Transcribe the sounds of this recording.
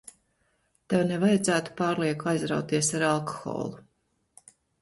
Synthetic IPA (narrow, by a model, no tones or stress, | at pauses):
t̪evnɛvajad̪zæːt̪u̥paːɾlˠiɛkajzɾa̰wt̪iɛsaɾalˠkɔ̥xɔ̰ːlˠu